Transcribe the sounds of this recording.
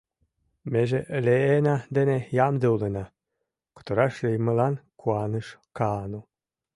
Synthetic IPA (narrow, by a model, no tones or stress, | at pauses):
meʒeʔleenɑd̪enejɑmd̪eulenɑ | ku̥t̪oɾɑʃlʲejməlɑnkʰuɑnəʃkɑnu